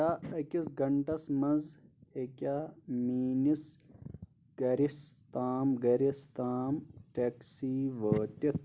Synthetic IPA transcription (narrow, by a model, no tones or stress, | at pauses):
aɐkʲisɡɐɳʈɐsmɐnzekʲamiːnis | ɡ̥ɐɾist̪aːmɡɐɾist̪aːmʈeksiʋəːt̪it̪̚